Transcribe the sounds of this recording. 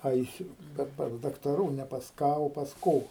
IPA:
ˈɐɪsʲʊ ˈkɐt pɐs dɐktɐˈruː nʲɛ pɐs ˈkɑː oː pɐs ˈkoː

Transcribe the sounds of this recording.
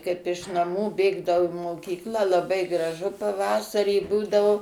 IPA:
ˈkɐɪp ɪʃ nɐˈmuː ˈbʲeːɡdɐʋɐʊ ɪ moːˈkʲiːklˠɑː lˠɐˈbɐɪ ˈɡrɑːʒʊ pɐˈʋɑːsɐrʲiː ˈbuːdɐʋoː

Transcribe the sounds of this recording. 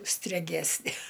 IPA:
sʲtʲrʲɛˈɡʲæːsʲnʲɛ

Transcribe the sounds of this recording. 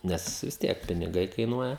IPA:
ˈnʲɛs ʋʲɪs ˈtʲiɛk pʲɪnʲɪˈɡɐɪ kɐɪˈnuɔjɛ

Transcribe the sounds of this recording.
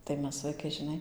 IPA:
tɐɪ ˈmʲɛs ʋɐɪˈkɐɪ ʒʲɪˈnɐɪ

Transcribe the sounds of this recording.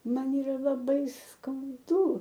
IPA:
ˈmɐn iːˈrɐ lˠɐˈbɐɪ skɐʊˈdʊ

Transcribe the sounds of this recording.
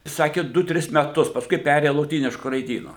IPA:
ˈsɑːkʲɪ ˈdʊ ˈtʲrʲɪs mʲɛˈtʊs pɐsˈkʊɪ ˈpʲæːrʲeːjɛ lˠoːˈtʲiːnʲɪʃkʊ rɐɪˈdʲiːnʊ

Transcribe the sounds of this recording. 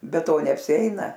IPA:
bʲɛ ˈtoː nʲɛɐpʲsʲɪˈɛɪnɐ

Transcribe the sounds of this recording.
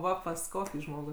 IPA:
ˈʋɐ pɐs ˈkoːkʲiː ˈʒmoːɡuː

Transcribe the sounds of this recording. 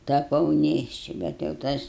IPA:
tɐˈpɐʊ ˈnʲeːʃʲt͡ʃʲɪ bʲɛt jɛʊ ˈtɐs

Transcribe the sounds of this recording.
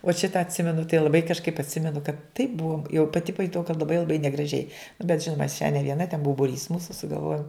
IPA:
uɔt ˈʃʲɪtɐ ɐtʲˈsʲɪmʲɛnʊ tɐɪ lˠɐˈbɐɪ kɐʃˈkɐɪp ɐtʲˈsʲɪmʲɛnʊ kɐt tɐɪp ˈbuɔm jɛʊ pɐˈtʲɪ pɐjʊˈtɐʊ kɐt lˠɐˈbɐɪ lˠɐˈbɐɪ nʲɛɡrɐˈʒʲɛɪ nʊ bʲɛt ˈʒʲɪnʊmɐ ɐʃ ʃʲɛ nʲɛ ʋʲiɛˈnɐ tʲɛn ˈbuɔ bʊˈrʲiːs ˈmuːsʊ sʊɡɐlˠˈʋoːjʊm

